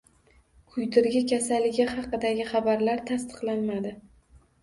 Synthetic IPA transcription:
kʰʊjt̪ɪɾɡʲɪkʲʰasalːɪɡʲɪχɑqɨd̪aɡʲɪχɑbaɾlaɾt̪ʰast̪ʰɨ̥qlˠanmad̪ɪ

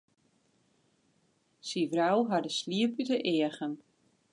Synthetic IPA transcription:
sivrawɦadəsliəpytəʔɪəɣən

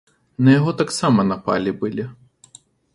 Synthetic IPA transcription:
nɐjɐɣɔt̪aksamɐnɐpa̰lʲibɨlʲi

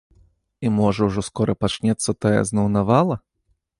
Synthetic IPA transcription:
imɔʐɐwʐɔskɔɾɐpat͡ʂnʲɛt̪sːɐt̪ajɛ̰znɐwnavalˠɐ

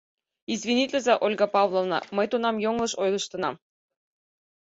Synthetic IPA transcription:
izʲvʲinʲit̪ʲlʲɘ̆zʲɑʔolʲɡɑpɑvlˠovnɑ̰mɤ̆jt̪unɑmjoŋlˠɤ̆ʃojlˠɤ̆ɕt̪ɤ̆nɑm

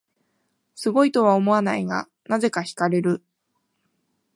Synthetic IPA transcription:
sɨɡo̞it̪o̞β̞aomo̞anaiɡa̰ | naze̞kaçi̥kaɾe̞ɾɯ̟

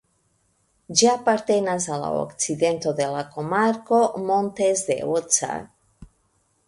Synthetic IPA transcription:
d͡ʒaapaɾt̪enazala̰o̰kt͡siðent̪oðelakomaɾkomõnt̪ezd̪ḛot͡sa̰

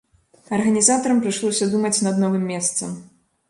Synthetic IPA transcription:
ɐrɣɐnʲizat̪ɐɾɐmpɾɨʂlˠɔwsʲɐd̪umɐt͡sʲnɐd̪nɔvɨmːʲɛst̪sɐm

